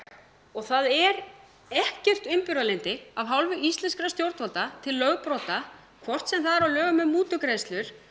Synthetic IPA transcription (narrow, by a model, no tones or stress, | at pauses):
ɔɣθaðɛɾ | ɛhcɪr̥t̪ʏmpʏɾalent̪ɪavɦawlvʏʔist̪ɛnskɾast̪jowɾt̪vɔlt̪at̪ʰɪlːœːɣpɾɔːt̪a | kʰvɔr̥t̪sɛmθaðɛɾawlœːɣʏmːɛðmuːt̪ʏkɾeːst̪lʏɾ̥